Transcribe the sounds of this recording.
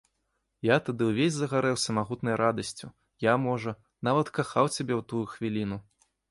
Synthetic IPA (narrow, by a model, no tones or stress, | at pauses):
jat̪ad̪ɨwvʲezʲzɐɣaɾɛwsɐmaɣut̪nɐjɾad̪ɐsʲt͡sʲu | jamɔʐɐ | n̪avɐt̪kaxawt͡sʲabʲɛwt̪ujuxvʲilʲinu